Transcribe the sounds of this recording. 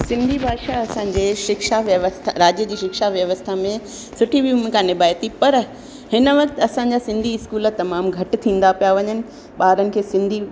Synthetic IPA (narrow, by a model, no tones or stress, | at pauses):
sɪ̃nd̪ʱibʱaːʃaɐsãːɲ̆d͡ʑeːʃɪkʃaʋjɐʋəst̪ʰaɾaːd͡ʑjəd͡ʑiːʃɪkʃaʋjɐʋəst̪ʰamẽ | sʊʈʰiʋjuːmɪ̃kʰãnɪbaːjt̪ipɐɾ | hɪnəʋɐkt̪ɐsãɲ̆d͡ʑasɪ̃nd̪ʱiɪskuːlət̪ɐmaːmɡʱɐʈɪ̆t̪ʰĩːn̆d̪apijaʋɐɲənɪ̆ | ɓaːɾənɪ̆kʰeːsɪ̃nd̪ʱi